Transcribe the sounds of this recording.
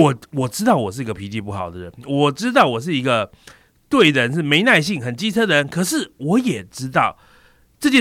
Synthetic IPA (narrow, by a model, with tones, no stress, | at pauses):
ɔ˨˩wɔ˨˩ʈ͡ʂɻ̩˥t̪ɑ˥˩ʊwɔ˨˩ʂɻ̩˥˩i˧˥ɡə˧pʰi˧˥t͡ɕi˧˩pu˥˩xɑ˨˩ʊd̪ə˦ɻə˦nwɔ˨˩ʈ͡ʂɻ̩˥t̪ɑ˥˩ʊwɔ˨˩ʂ̬ɻ̩˥˩i˧˥ɡə˧ | t̪we˥˩ɪdə˨˩ɻə˧˦nʂɻ̩˥˩me˧˥ɪna˥˧ɪɕi˥˩ŋxə˨˩nt͡ɕi˥t͡sʰɤ˥d̪ə˨˩ɻə˧˦nkʰɤ˨˩ʂɻ̩˥˩wɔ˧˥jɛ˨˩ʈ͡ʂɻ̩˥t̪ɑ˥˩ʊ | ʈ͡ʂɤ˥˧t͡ɕjɛ˥˩